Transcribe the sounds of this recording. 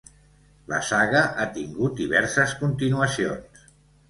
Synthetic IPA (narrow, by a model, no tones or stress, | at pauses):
lə̰saɣəʔat̪iŋɡut̪̚d̪iβɛɾsəskunt̪inuəsions